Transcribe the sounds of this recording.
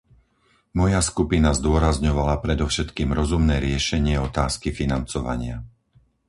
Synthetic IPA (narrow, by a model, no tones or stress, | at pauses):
mɔjaskupinazd̪ʊɔɾazɲɔʋalapɾɛd̪ɔfʃɛt̪kiːmɾɔzumnɛːɾɪɛʃɛɲɪɛɔt̪aːskifinant͡sɔʋa̰ɲɪa̰